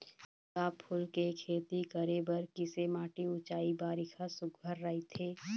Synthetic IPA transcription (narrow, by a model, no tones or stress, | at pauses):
kaːpʰːʊlkekʰeːt̪ikəɾebəɾkɪsemaːʈiʊt͡ʃaːibaːɾɪkʰasʊɡʱəɾːɐɦit̪ʰeː